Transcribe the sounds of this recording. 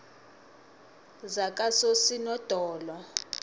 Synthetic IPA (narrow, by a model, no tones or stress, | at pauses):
zakʼasosinɔd̥ʱɔːlɔ